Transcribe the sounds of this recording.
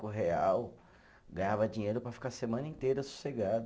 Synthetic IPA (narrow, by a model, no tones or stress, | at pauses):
kʊɦeaw | ɡɐ̃ɲavɐd͡ʒĩɲejɾʊpɾɐfi̥kasemɐ̃nɐĩt̪ejɾɐsu̥seɡad̪